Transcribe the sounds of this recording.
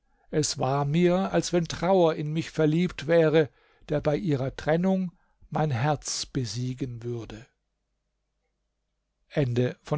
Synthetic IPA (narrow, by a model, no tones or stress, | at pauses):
ʔɛsv̥aːɐmiːɐalsv̥ɛntʁ̥aʊɐɪnmɪçfɛɐliːptv̥ɛːʁə | d̥eːɐbaɪʔiːʁɐtʁ̥ɛnʊŋ | maɪnɦɛɐt͡sb̥əziːɡənvʏɐdə | ʔɛndəfɔ